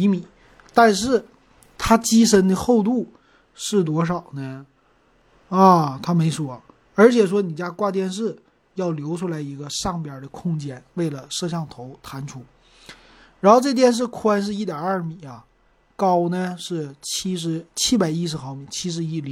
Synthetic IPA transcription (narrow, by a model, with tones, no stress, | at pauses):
i˧˥mi˨˩˦ | t̪a˥˧nʂɻ̩˥˩ | t̪ʰa˥t͡ɕi˥ʂ̬ə˥nd̪ə˧xo˥˧ʊt̪u˥˩ | ʂɻ̩˥˩t̪̬wɔ˥ʂ̬ɑ˨˩ʊnə˦ | ɐ˥˧˩t̪ʰa˥me˧˥ɪʂwɔ˥ | ə˞˧˥t͡ɕʰjɛ˨˩ʂ̬wɔ˥ni˨˩t͡ɕja˥kwa˥˧t̪jɛ˥˧nʂ̬ɻ̩˥˩ | jɑ˥˩ʊljo˧˥ʊʈ͡ʂʰu˥la˧˥ɪi˧˥ɡə˧ʂɑ˥˩ŋpjə˞˨˩də˦kʰʊ˥˧ŋt͡ɕjɛ˥nwe˥˩ɪlə˩ʂɤ˥˧ɕjɑ˥˩ŋt̪ʰo˧˥ʊt̪ʰa˧˥nʈ͡ʂʰu˥ | ɻa˧˥nxo˥˧ʈ͡ʂɤ˥˧˩t̪jɛ˥˧nʂ̬ɻ̩˥˩kʰu˥a˧˥nʂ̬ɻ̩˥˧i˥˩t̪jɑ˨˩ɐ˞˥˩mi˨˩˦ɐ˦ | kɑ˥ʊnə˧ʂɻ̩˥˩t͡ɕʰi˥ʂ̬ɻ̩˧˥t͡ɕʰi˥pa˨˩ɪi˥ʂ̬ɻ̩˧˥xɑ˧˩ʊmi˨˩t͡ɕʰi˥ʂ̬ɻ̩˧˥i˥˩li˧˥˩